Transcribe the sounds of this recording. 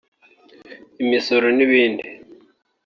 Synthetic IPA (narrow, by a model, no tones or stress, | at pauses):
imisoɾoniβiːndi